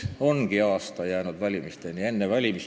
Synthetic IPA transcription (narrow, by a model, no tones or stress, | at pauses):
onɡ̥iɑːst̪ɑjæːnud̪̥vælʲimist̪enʲienːeʋælʲimis